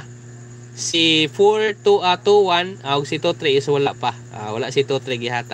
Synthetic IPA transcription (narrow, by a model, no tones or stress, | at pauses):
sifoɹt̪uʔat̪uwanaʊɡsit̪ot̪ɾɛɪswalaʔpa | a̰walaʔsit̪ot̪ɾɛɡɪɦaːt̪a